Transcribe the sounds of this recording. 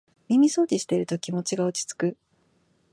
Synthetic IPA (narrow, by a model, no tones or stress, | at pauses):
mʲimʲiso̞ːd̪ʲiɕi̥t̪e̞iɾɯ̟t̪o̞kʲimo̞t͡ɕiɡaot͡ɕi̥t͡sɨ̥kɯ̟